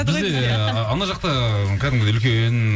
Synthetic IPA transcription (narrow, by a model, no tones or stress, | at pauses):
bɪzd̪e | ɑnɑʒɑqt̪ə | kʲʰæd̪ɪmɡʲd̪eʏlkʲen